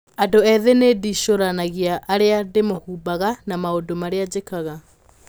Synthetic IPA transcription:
adoɛðenediʃoɾanaɣiaʔːɾeademohuːbaɣanamaodomaɾead͡ʑekaɣa

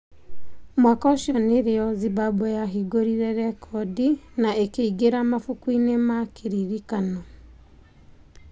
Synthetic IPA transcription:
mwakɔʃjɔneɾeɔzibabɔjaɦiɡoɾiɾɛɾɛkʰɔdinaekeiɡeɾamafukwinemakeɾiɾikanɔ

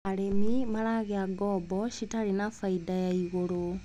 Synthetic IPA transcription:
aɾemimaɾaɣeaɡɔːbɔʃitaɾinafaidajaiɣoɾo

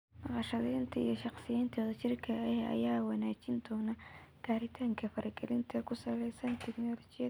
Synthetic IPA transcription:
nɐqɑʃɐðɛːnt̪ʰɐḭjɔʃɑqsɪjaːnt̪ʰɐðɐt͡ʃɪrkʰɐɛhɛɐ̰jaːwɑnaːt͡ʃɪnd̪ɔːnɐɡ̥aːɾɪt̪ʰaːŋkʰɐfɐɾɐɡɛlɪnt̪ʰɐkʰʊsɐlɛjsɐnt̪ʰɛknɔːlɔt͡ʃɪjɐ

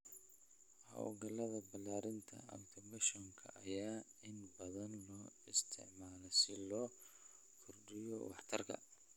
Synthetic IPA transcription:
hɐ̰w̰ɡɐlɐðɐbɐlːaːɾɪnt̪ʰɐ̰ɐ̰wt̪ʰɔbɐʃɔŋkʰɐ̰ʔɐjaːɪnbɐðɐnlɔːɪst̪ʰɪ̰ʕmaːlɔsɪlɔː | kʰʊrɖɪjɔ̰wɑ̰ħt̪ʰɐrkʰɐ̰

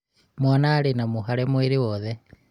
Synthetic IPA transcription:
mwanaːɾenamuɦaɾɛmweɾiwɔðɛ

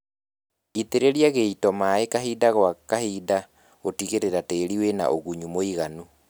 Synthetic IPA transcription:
it̪eɾeɾjaɣeitɔmaekaɦidaɣwakahida | otiɣeɾeɾateːɾiwena̰ʔoɣuɲumoiɣanu

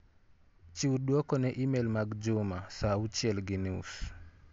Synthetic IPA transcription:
t͡ʃiuɗwɔkɔnɛʔimɛlmaɡd͡ʒumasaut͡ʃjɛlɡiniṵs

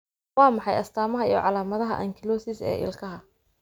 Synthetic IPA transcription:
wɑːmɑħɑjɐst̪ʰaːmɐɦɐḭjɔ̰ʕɑlaːmɐðɐɦɐ̰ʔɐŋkʰɪlɔsɪsɛ̰ːʔɪ̰lkʰɐɦɐ

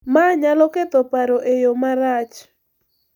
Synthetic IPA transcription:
maɲalɔket̪ɔpaɾoʔejomaɾat͡ʃ

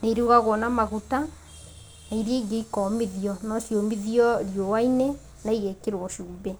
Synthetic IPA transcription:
neiɾuɣaɣwɔnamaɣuta | naiɾeɡeikɔmeðiɔnɔʃjomiðiɔɾjɔwaine | naiɣɛkeɾwɔʃuːbɛ

